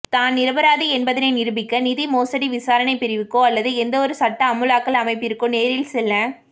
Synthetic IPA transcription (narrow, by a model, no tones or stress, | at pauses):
t̪aːnnɪɾɐbɐɾaːðiɛnbɐðɪnɐɪnɪɾɯbɪkːɐnɪðimoːsɐɽiʋɪsaːɾɐɳɐɪpɪɾɪʋɯkːõːɐlːɐðɯɛnd̪ɐɔɾɯsɐʈːɐːmːɯlaːkːɐlɐmɐɪpːɪɾɯkːõneːɾɪlsɛlːɐ̃